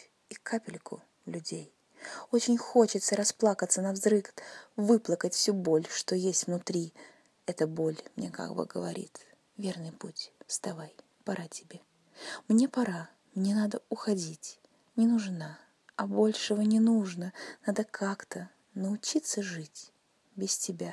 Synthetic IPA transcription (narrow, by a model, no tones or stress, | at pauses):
ikʰapʲɪlʲkʰʊ̰ | lʲʉdʲej | o̞t͡ɕɪnʲxo̞t͡ɕɪt̪səɾɐsplˠakət̪sːənɐvzɾɨkvɨplˠəkətʲfsʲubolʲʂt̪o̞jesʲtʲvnʊt̪ɾʲi | ɛt̪əbolʲmnʲḛka̰ɡbɨ̰ɡə̰vɐ̰ɾʲḭt̪ | vʲe̞rnɨjputʲfst̪ɐvaj | pɐɾʔatʲɪbʲe̞ | mnʲe̞pɐɾa | mnʲenad̪əʊxɐdʲitʲ | nʲɪnʊʐna | ɐbo̞lʲʂɨvənʲɪnuʐnənad̪əkʰakt̪ə | nəʊt͡ɕit̪səʐɨtʲ | bʲɪstʲɪbʲa